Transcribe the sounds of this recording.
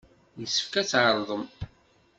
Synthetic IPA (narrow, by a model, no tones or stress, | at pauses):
nəsə̥fkæt͡sːʕəɾˤðˤəm